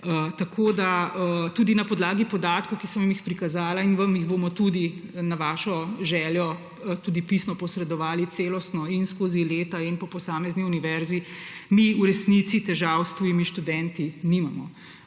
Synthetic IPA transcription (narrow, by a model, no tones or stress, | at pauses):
ət̪ɐkʰod̪aət̪uːd̪inɐpɔd̪laːɡipɔd̪aːt̪̚kowkisɐmmjixpɾikazaːlainʋamjiɣbomɔt̪ud̪inaʋaːʃɔʒɛːljɔ | t̪uːd̪ipisnɔpɔsɾɛd̪ɔʋaːlit̪seːlɔst̪nɔinskoːzileːt̪ainpɔpɔsaːmɛzniuniʋɛɾzimiuɾɛsnit̪sit̪ɛʒawst̪ujimiʃt̪ud̪ɛnt̪inimamɔ̰